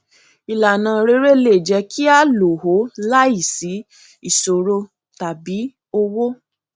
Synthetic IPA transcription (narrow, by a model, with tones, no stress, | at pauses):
i˨la˨nãː˧ɾe˧˦ɾe˦le˨d͡ʒɛ˧kʰi˦a˦˨lo˨ho˨˦la˦i˦˨si˨˦ | i˦˨so˨ɾo˧ | ta˨bi˨˦ | o˧wo˦